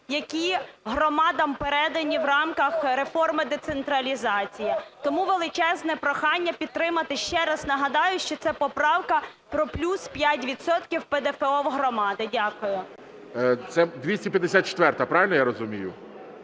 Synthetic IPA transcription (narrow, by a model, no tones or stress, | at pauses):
jɐkʲiɦrɔmɑd̪ɐmpeɾɛd̪ɐnʲiwrɑmkɐxɾefɔrmɪd̪ɛt̪sent̪ɾɐlʲizɑt͡sʲijɐt̪ɔmuʋelˠɪt͡ʃɛznɛpɾɔxɑnʲːɐpʲid̪̚t̪ɾɪmɐt̪ɪʃt͡ʃɛɾɐznɐɦɐd̪ɑjʊʃt͡ʃɔt̪sɛpɔpɾɑwkɐpɾɔplʲuspʲjatʲʋʲid̪sɔt̪kʲiwped̪ɛfeɔwɦɾɔmɑd̪ɪdʲakʊjʊ | t̪sɛd̪ʲʋʲisʲipʲjɐd̪esʲat̪̚t͡ʃe̥t̪ʋɛrt̪ɐpɾɑʋʲɪlʲnɔjaɾɔzʊmʲijʊ